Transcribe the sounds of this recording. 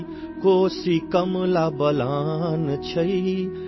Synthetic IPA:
koːsikɐmlaːbɐlaːnt͡ʃʰɐi

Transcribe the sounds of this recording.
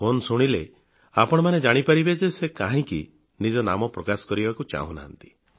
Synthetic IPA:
fonsuɽ̃ile | apɔɽ̃ɔmaned͡ʒaɽ̃ipaɾibed͡ʒesekaɦĩki | nid͡ʒɔnamɔpɾɔkasɔ̥kɔɾibakut͡ʃa̰ɦũna̰ɦnt̪i̥

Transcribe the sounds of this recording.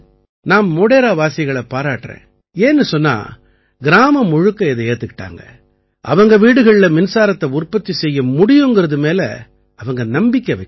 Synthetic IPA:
naːmːoːɽeːɾaːʋaːsɐɣɐɭɐpaːɾaːʈːrḛ̃ː | eːnːɯsɔnːa̰ː | ɡɪɾaːmɐmɔɻɯkːɐɪðɯeːɾt̪ɯkɪ̥ʈːa̰ːŋɡɐ̰ | ʔɐ̰ʋɐŋɡɐʋiːɽɯɣɐɭɪlɐmɪnsaːɾɐt̪ːɐʊrpːɐt̪ːisɛjːɐmʊɽɪjɯŋɡɯɾɐðɯmeːlɐ̰ | ɐʋɐŋɡɐnɐmbɪkʲːɐʋɐɪkː

